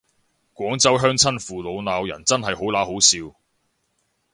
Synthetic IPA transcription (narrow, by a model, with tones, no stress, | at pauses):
kʷɔː˨˥ŋt͡sɐ˥wɦœː˥ŋt͡sʰɐ˥nfuː˨lo˨˧wnaː˨˧wjɐ̰˨˩nt͡sɐ˥nɦɐ˨jho˨˥wlaː˨˥ho˨˥wsiː˧w